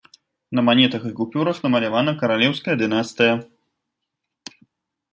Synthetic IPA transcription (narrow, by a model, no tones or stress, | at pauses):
nɐmanʲɛt̪ɐxɨkupʲuɾɐxnɐmɐlʲavanɐkɐɾalʲɛwskɐjɐd̪ɨnast̪ɨjɐ